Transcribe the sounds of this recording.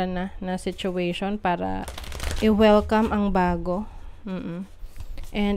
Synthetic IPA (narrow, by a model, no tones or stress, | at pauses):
ɐnanɐsɪt͡ʃʊɛjʃonpaːɾɐ̰ʔɪwɛlkɐmʔɐŋbaːɡo̞m̩ːʔ̩ | ʔɛnd̪